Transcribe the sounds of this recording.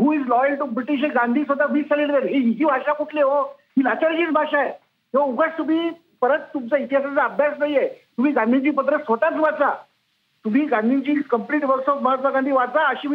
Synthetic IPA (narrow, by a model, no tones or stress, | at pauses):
ɦuːid͡zlɔjəlʈubɾiʈiɕ̬eɡãnd̪ʱiːsʋəd̪abiːsɛlilʋeɾɦiɦiɦiːbʱaɕakuʈleɦo | ɦilat͡ɕaɾɕiːt͡sbʱaɕae | kĩʋãuɡət͡st̪um̤iː | pəɾət̪ːumt͡sait̪iɦasat͡saəbʱjasnaiet̪um̤iːɡãnd̪ʱit͡ɕiːpət̪ɾəsot̪at͡sʋat͡sa | t̪um̤iːɡãnd̪ʱit͡ɕiːkəmpliːʈʋəɾsɔfməɦət̪ʋaɡãnd̪ʱiːʋat͡saəɕiː